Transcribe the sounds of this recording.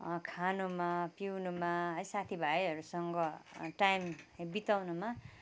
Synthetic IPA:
kʰanumapiwnumaɦʌjsat̪ʰibʱaiʌɾusʌŋɡʌʈajmbit̪awnuma

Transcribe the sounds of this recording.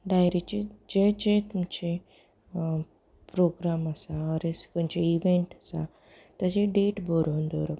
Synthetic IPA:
ɖajɾit͡ɕed͡ʑed͡ʑet̪umt͡ɕe | pɾoɡɾaməsaəɾesk̪umt͡ɕeiʋeɳʈəsa̰ | t̪əd͡ʑeɖeʈboɾond̪oɾo

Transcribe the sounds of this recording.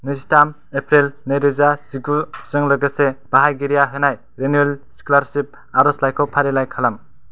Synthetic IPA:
nɯsitam | epʰɾelneɾɯzasiɡuɾz̥ɯŋlɯɡɯseb̥aɦajɡiɾijaɦɯnaj | ɾenuelsklaɾsip̚ | aɾɔslajkʰowpʰaɾelajkʰalam

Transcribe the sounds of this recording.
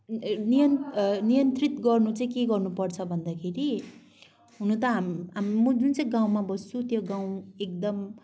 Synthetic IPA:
nijʌnnijʌnt̪rit̪ɡʌrnut͡sʌĩkeɡʌrnupʌrt͡sʰʌbʱʌnd̪akʰeɾi | ɦunut̪ʌɦamɦammʌd͡zunt͡sʌj̃ɡãw̃mabʌst͡sʰut̪joɡãw̃ek̚d̪ʌm

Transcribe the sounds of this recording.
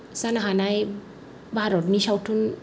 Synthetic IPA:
sanɦanaj | bʱaɾot̚nisawʈʰun

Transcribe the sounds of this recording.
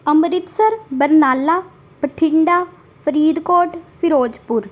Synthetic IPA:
əmɾɪt̪səɾbəɾnaːlːaː | pəʈʰɪɳɖaː | pʰəɾiːd̪koːʈpʰɪɾoːd͡ʒpʊɾ

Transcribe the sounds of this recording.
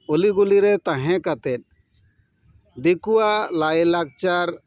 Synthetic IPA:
oliɡuliɾɛt̪ãɦɛ̃kat̪ɛt̪̚ˀ | d̪ikuwalajlak̚t͡ʃaɾ

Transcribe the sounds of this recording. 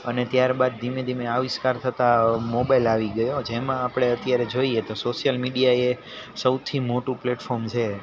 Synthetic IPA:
ənet̪jaɾbad̪̚ːimẽd̪ʱimeaʋɪskaɾt̪ʰət̪amobajilaʋiɡəjod͡ʒemãːpɽ̃eət̪jaɾed͡ʒoiet̪osoʃijəlmiɖijae | səwt̪ʰimoʈũpleʈfɔɾmt͡ʃʰe

